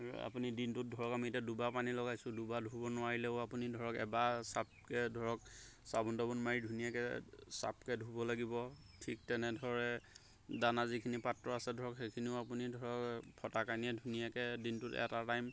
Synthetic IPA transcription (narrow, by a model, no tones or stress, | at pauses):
a̰punidintʊt̚dʱɔɹɔkamitɛdubapanilɔɡajsʊ̃dubadʱubɔnʊwaɹilɛʊapunidʱɔɹɔkɛ̰basap̚kɛdʱɔɹɔk̚ | sabundɔbɔnmaɹidʱunijakɛsa̰p̚kɛdʱubɔlaɡibɔ | tʰik̚tɛnɛdʱɔɹɛ | danazikʰinipatɹɔasɛdʱɔɹɔkxejkʰiniʊapunidʱɔɹɔkpʰɔtakaniɛdʱunijakɛdintʊtɛ̰tatajm